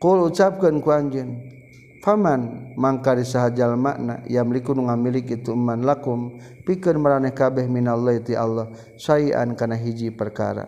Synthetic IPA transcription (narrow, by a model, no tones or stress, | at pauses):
kulut͡ʃap̚kənkuaɲd͡ʒun | famanmaŋkaɾisaɦad͡ʒalma̰ʔna̰jamlikunuŋamilikit̪uəmːanlakum | pikənməɾanɛhkabɛhminalːɔit̪ialːɔh | saia̰nkanaɦid͡ʒipərka̰ɾa̰